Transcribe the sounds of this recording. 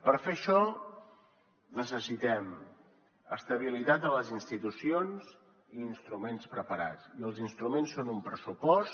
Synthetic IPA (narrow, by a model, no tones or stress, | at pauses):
pəɾfeəʃɔ | nəs̬əsit̪ɛm | əst̪əβ̞ilit̪at̪̚ələzinst̪it̪usionz | iːnst̪ɾumenspɾəpəɾa̰t͡siəlˠzinst̪ɾumensːonumpɾəsupɔs